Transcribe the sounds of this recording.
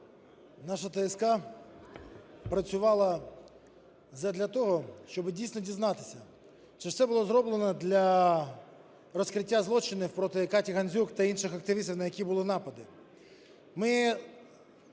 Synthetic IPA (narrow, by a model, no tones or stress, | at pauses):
nɑʃɐt̪ɛɛskɑ | pɾɐt͡sʲʊʋɑlˠɐ | zɐd̪lʲɐt̪ɔɦɔʃt͡ʃɔbɪdʲijsʲnɔdʲiznɑt̪ɪsʲɐ | t͡ʃɛ̥sɛbʊlˠɔzɾɔblˠenɔd̪lʲɐ | rɔskɾɪtʲːazlˠɔt͡ʃɪnɪfpɾɔt̪ɪkatʲiɣɐnʲzʲukt̪ɐinʃɪxɐkt̪ɪʋʲist̪wnɐjɐkʲibʊlˠɪnɑpɐd̪ɪ | mɪ